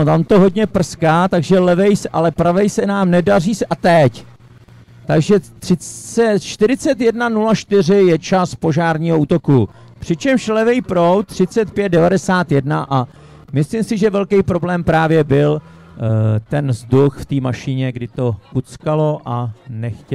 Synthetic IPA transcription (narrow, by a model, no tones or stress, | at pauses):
ot̪amt̪o̞ɦo̞dɲɛpr̩skaːt̪aɡʒɛlɛvɛjsɛʔalɛpɾavɛjsɛnaːmnɛdariːsɛʔat̪ɛc | t̪aɡʒɛt̪r̝̥ɪɛt͡ʃt̪ɪɾɪt͡sɛt̪jɛdnanulaʃt̪ɪr̝ɪjɛt͡ʃaspo̞ʒaːɾɲiːɦouːt̪o̞ku | pr̥ɪt͡ʃɛmʃlɛvɛjpɾowt̪r̝̥ɪt͡sɛt̪̚pjɛt̪̚dɛvadɛsaːt̪jɛdnaʔa | mɪslimsɪʒɛvɛlkɛjpɾo̞blɛːmpɾaːvjɛbɪl | t̪ɛnzduxft̪iːmaʃɪɲɛɡdɪt̪o̞kut͡skalo̞ʔanɛxcɛ